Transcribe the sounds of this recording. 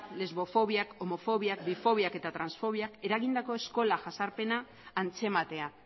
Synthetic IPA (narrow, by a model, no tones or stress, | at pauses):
le̞zβo̞fo̞β̞iako̞mo̞fo̞βiak̚bifo̞β̞iake̞t̪at̪ɾansfo̞β̞iake̞ɾaɣind̪ako̞e̞sko̞laʝasaɾpe̞naː | nt͡se̞mat̪e̞a